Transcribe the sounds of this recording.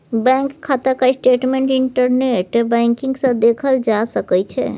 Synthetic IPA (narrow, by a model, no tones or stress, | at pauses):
bɛ̃ŋkkʰːat̪akaisʈeʈmẽɳʈiɳʈəɾneʈbɛ̃ŋkiŋɡsə̃d̪ekʰəld͡ʒasəkɛjt͡ʃʰɛ̰